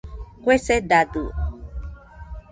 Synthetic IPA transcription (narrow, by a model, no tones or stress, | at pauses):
kʷesed̪ad̪u